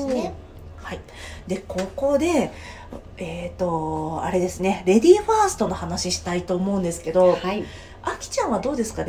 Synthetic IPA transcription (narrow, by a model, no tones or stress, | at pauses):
ne | hai | d̪e̞ko̞ːko̞ːd̪e̞ | et̪o̞a̰ɾe̞d̪e̞sɨne̞ɾe̞d̪ʲiːɸaːsɨ̥t̪o̞no̞hanaɕiɕi̥t̪ait̪o̞ːmo̞ɯ̃nd̪e̞sɨ̥ke̞d̪o̞ | akʲi̥t͡ɕãɰ̃βad̪o̞ːd̪e̞sɨ̥ka